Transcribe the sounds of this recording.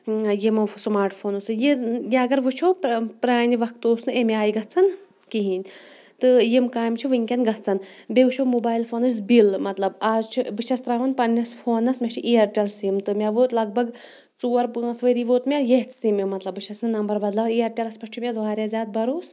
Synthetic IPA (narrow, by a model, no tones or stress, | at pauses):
jimɐsmaːɾʈfʰoːnusɨjijeɐɡɐɾʋɨt͡ʃʰopɾaːniʋɐkt̪oːsnɨemʲaːjɡɐtt͡sʰɐn | kiɦinʲ | t̪ɨjimkaːjmt͡ʃʰiʋɨŋʲkʲɐnɡɐɦt͡sʰɐnbʲeʋɨt͡ʃʰomuːbaːjilfʰoːnus̬bilmɐt̪lɐbaːzt͡ʃʰibɨt͡ʃʰɐst̪ɾaːʋɐnpɐnːɐsʲpʰoːnɐsmʲɐt͡ʃʰiʔiːɐɾʈʲɐlsimt̪ɨmʲaʋoːt̪lɐɡ̚bʱɐɡ | t͡suːɐɾpːsʋɐɾiʋoːt̪mʲajeɦt͡s̪simemɐt̪lɐbːɨt͡ʃʰɐsnɨnɐmbɐɾbɐd̪lɐijɐɾʈʲɐlɐspɐʃt͡ʃʰumʲezʋaːɾʲjaːzʲaːd̪̚bɐɾoːs